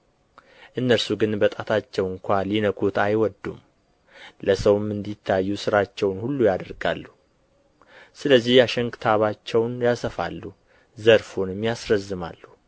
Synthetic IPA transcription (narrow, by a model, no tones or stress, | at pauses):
ʔɨnːəɾsuɡɨnbət̪ʼat̪ʰat͡ʃːɛwɨŋkʷalinəkʰut̪ajwɔd̪ːṵm | ləsəwmːɨnd̪it̪ʰːajːusɨɾat͡ʃːɛwnhulːujad̪əɾɡa̰lːu | sɨləzːihjaʃɛŋkɨt̪ʰaβat͡ʃːɛwnjasəfa̰lːu | zəɾfonɨmjasɾəzːɨma̰lːu